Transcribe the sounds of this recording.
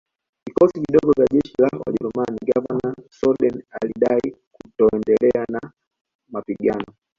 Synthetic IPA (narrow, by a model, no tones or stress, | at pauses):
vikɔsiviɗɔɡɔvjaʄɛʃilawa̰ʄɛɾumaniɡavanasɔɗɛnaliɗai | kutɔɛndɛlɛana | mapiɠanɔ